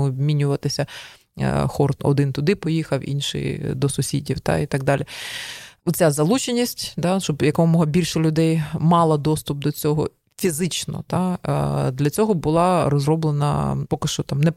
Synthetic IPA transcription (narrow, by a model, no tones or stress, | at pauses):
ɔbmʲinʲʊʋɐt̪ɪsʲɐ̰ | xɔrt̪ɔ̰d̪ɪnt̪ʊd̪ɪpɔjixɐwḭnʃɪ̰jd̪ɔsʊsʲḭdʲiwt̪ɑ̰it̪ɐɡ̚d̪ɑlʲɪ | ɔt̪t͡sʲazɐlˠut͡ʃenʲisʲtʲt̪ɑʃt͡ʃɔbjɐkmɔɦɐbʲilʲʃɐlʲʊd̪ɛjmɑlˠɐd̪ɔst̪ʊp̚d̪ɔt͡sʲɔɦɔ̰ | fʲizɪt͡ʃnɔ̰t̪ɑd̪lʲɐt͡sʲɔɦɔbʊlˠɑɾɔzrɔblˠenɐ̰pɔkɪʃt͡ʃɔt̪ɑmnɛ